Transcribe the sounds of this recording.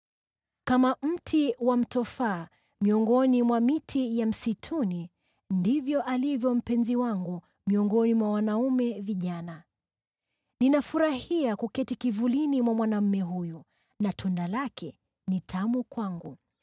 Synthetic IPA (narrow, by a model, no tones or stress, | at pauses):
kamam̩tʰiwam̩tɔfaː | miɔŋɡɔnimwamitʰijam̩sitʰuni | ndivjɔʔalivjɔm̩pɛnziwaŋɡu | miɔŋɡɔnimwawanaumɛviʄana | ninafuɾahiakukɛtikivulinimwamwanam̩mɛɦuju | natʰundalakʰɛ | nitʰamukwaŋɡu